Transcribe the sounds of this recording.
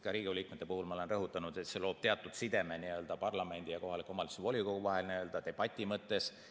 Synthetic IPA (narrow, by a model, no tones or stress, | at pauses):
kɑɾiːɡ̥iolʲiːkmet̪ːepuɦulmɑo̞lenrɤɦut̪ːˑɑnud̪̥e̞t̪se̞lo̞ːb̥̚t̪e̞ɑt̪ːˑud̪̥sid̪e̞meniø̞ld̪̥ɑpɑrlɑme̞nʲd̪̥ijɑko̞ɦɑlikːˑo̞mɑlisuvo̞lʲiko̞ɡuvɑɦe̞lniø̞ld̪̥ɑt̪e̞b̥ɑt̪ʲːˑimɤt̪ːe̞s